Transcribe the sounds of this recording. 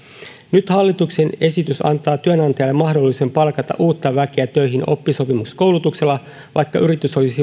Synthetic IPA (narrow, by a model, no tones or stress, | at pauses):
nyt̪hɑlːit̪ukse̞ne̞sit̪ysɑ̰nt̪ɑːt̪yønɑnt̪ɑjɑlːemːɑhdo̞lːise̞mpɑlkɑt̪ɑ̰ʔuːt̪ːɑʋæk̟eæt̪øjɦino̞̰pːiso̞pimusko̞wlut̪ukse̞lːɑ | ʋʔɑjkːɑʔyɾit̪yso̞lisi